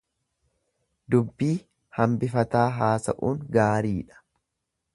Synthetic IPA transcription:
d̪ʊbːiː | hɐmbɪfɐt̪aːɦaːsɐ̰ʔuːŋɡaːɾiːᶑɐ̥

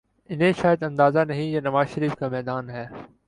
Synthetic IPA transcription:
ɪnɦẽʃaːjəd̪ɐ̃nd̪aːzanɐɦĩjaːnɐʋaːzʃəɾiːfkamɛːd̪aːnɦɛː

